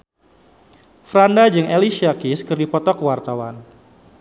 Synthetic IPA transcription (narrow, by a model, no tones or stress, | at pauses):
fɾandad͡ʒɨŋeliʃiakiskɨrdipɔt̪ɔkwart̪awan